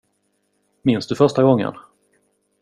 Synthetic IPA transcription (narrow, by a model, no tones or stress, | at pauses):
mɪnsd̪ɵfœʂʈaɡɔŋːə̰n